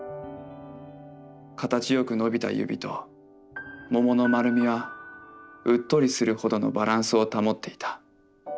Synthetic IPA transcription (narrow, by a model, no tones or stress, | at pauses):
kat̪at͡ɕijo̞kɯ̟no̞bʲit̪a̰jɯ̰bʲḭt̪o̞̰ | mo̞mo̞no̞maɾɯ̟mʲiβ̞a | ɯ̟t̪ːo̞ɾʲisɨɾɯ̟ho̞d̪o̞no̞̰baɾãɰ̃sɨo̞t̪amo̞t̪ːe̞i̥t̪ḁ